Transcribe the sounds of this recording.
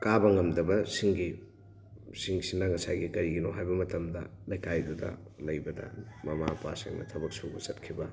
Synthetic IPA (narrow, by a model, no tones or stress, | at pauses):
kabɐŋɐmdɐbɐsiŋɡi | siŋsinɐŋɐsa̰jɡikɐɾiɡinoɦajbɐmɐtɐmdɐlɐjkajdudɐ̰ | lɐjbɐdɐ̰mɐmapa̰sḭŋnɐ̰tʰɐbɐk̚suɡusɐtkʰibɐ